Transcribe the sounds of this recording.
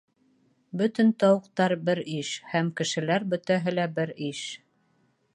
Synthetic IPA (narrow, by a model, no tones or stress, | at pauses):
bɵt̪ɘ̆nt̪ɑwɤ̆q̚t̪ɑɾbɘɾiʃhæmkɘ̆ʃɘ̆læɾbɵ̆t̪æɦɘlæbɘɾiʃ